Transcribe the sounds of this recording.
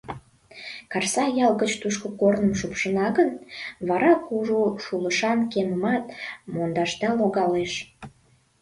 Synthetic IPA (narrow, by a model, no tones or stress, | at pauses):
kɑrsɑjɑlɣət͡ɕt̪uʃkə̆kornəmʃupʃənɑɣənβɑɾɑkuʒuʃuləʃɑnkeməmɑt̪̚mond̪ɑʃt̪ɑloɣɑleʃ